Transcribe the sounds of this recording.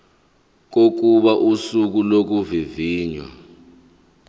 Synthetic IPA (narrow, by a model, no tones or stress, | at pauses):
k̬ok̬uɓaʔusuk̬ulok̬uviviːɲwa̰